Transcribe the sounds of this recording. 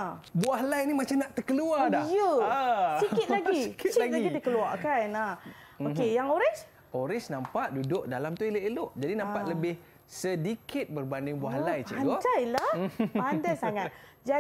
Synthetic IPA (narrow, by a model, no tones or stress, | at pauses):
buaɦlajnimat͡ʃamnaʔt̪ərkəluadajə | sikɪt̪̚laɡikaɡaiidikəluaʔkanah | okejaŋoɾɛs | oɾɪsnãmpaʔdudʊʔ̚dalamt̪uiləʔelʊʔd͡ʒadinãmpaʔləbɪh | sədikʰɪt̪̚bərbandɪŋbuahlajt͡ʃə̰autajlaandajsaŋat̪̚ | d͡ʒa